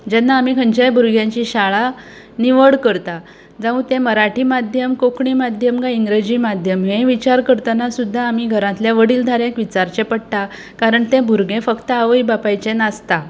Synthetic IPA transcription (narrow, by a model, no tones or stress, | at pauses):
d͡ʑɛnːaːmiːkʰəɲt͡ɕajbʱuɾɡjãɲt͡ɕiɕaɭa | niʋəɽkəɾt̪a | d͡zãũt̪ẽməɾaʈiːmad̪ʱjəmkokɳiːmad̪ʱjəmɡaiŋɡɾed͡ʑiːmad̪ʱjəmɦẽʋit͡ɕaɾkəɾt̪ənasud̪ʱːaːmiːɡʱəɾãt̪ljaʋəɽiːld̪ʱaɾẽkʋit͡ɕaɾt͡ɕepəɽt̪a | kaɾəɳt̪ẽbʱuɾɡẽfəkt̪əaʋəibapajt͡ɕenast̪a